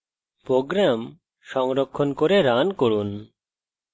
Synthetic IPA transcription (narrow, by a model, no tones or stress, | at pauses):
pɾoɡɾam | ʃɔŋɾokʰːonkoɾeɾankoɾun